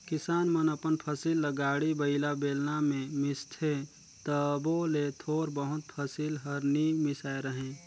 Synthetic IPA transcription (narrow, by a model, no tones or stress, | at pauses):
kɪsaːnmənəpənpʰəsilːəɡaːɽibəɪlabeːlnamẽmɪst̪ʰe | t̪əbolet̪ʰoːɾbəɦʊt̪̚pʰəsilɦəɾnimɪsaːeɾəɦẽː